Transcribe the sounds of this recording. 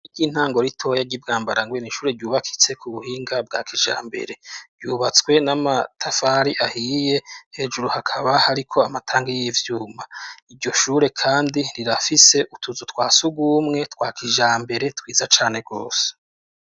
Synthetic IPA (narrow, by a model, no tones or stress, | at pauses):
iɟiːn̥haːŋɡo̞ɾitʰo̞jaɟib̚ɡaːmbaɾaŋɡweniʃuːɾe̞ɟuːβakʰi̥t͡se̞kʰuβuhiːŋɡab̚ɡa̰ːkʰiʒa̰ːmbe̞̰ɾe̞ɾɟuːβat͡skwe̞namatʰafaɾiʔahije̞he̞ːʒuɾuhakʰaβahaɾikʰo̞amatʰaːŋɡijivjuːmaiɾɟo̞ʃuːɾe̞kʰaːndiɾiɾafise̞ʔutʰuzutwaːsuɡwuːmŋe̞twaːkʰiʒaːmbe̞ɾe̞twiːzat͡ʃaːne̞ɡo̞ːse̥